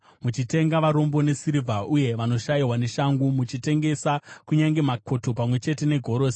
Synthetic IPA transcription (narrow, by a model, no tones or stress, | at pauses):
mut͡ʃite̞ŋɡaʋaɾo̞mbo̞ne̞siɾivʱaʔuje̞ʋano̞ʃaiwane̞ʃaŋɡumut͡ʃite̞ŋɡe̞sakuɲaŋɡe̞makʰo̞to̞pamwe̞t͡ʃe̞te̞ne̞ɡʱo̞ɾoːse